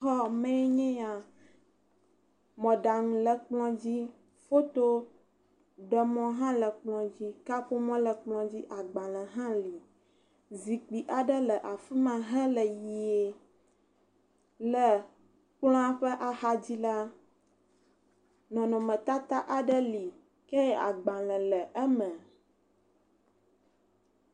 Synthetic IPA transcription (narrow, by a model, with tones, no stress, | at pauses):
ɦɔ˦mẽ˦e˦ɲɛ̃˦ja˨ | mɔ̃˨ɖa˨ŋũ˨lə˨k͡plɔ̃˦d͡ʑi˦ | fo˦t̪o˦ | ɖə˨mɔ̃˦ɦã˦lə˨k͡plɔ̃˨d͡ʑi˦ka˦ɸo˦mɔ̃˦lə˨k͡plɔ̃˦d͡ʑi˦ʔa˨ɡ͡bã˨lə˨ɦã˦li˨ | zi˨k͡pi˨ʔa˨ɖə˦lə˨ʔa˨fi˦mã˨ɦɛ̃˦lə˨ji˨e˨ | lə˨ | k͡plɔ̃˦a˦ɸə˦ʔa˨ha˦d͡ʑi˦la˦ | nɔ̃˨nɔ̃˨mə̃˨t̪a˦t̪a˦ʔa˨ɖə˦li˨ | kɛ˦jɛ˦ʔa˨ɡ͡bã˨lɛ̃˨lə˨ʔə˦mə̃˨